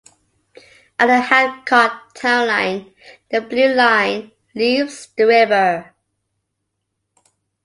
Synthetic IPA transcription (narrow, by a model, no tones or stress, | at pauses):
ʔətəhæd̚kʰɔttʰãʊ̃nlãɪ̃n | ðəblʉlãɪ̃n | livz̥ðəɹɪvə˞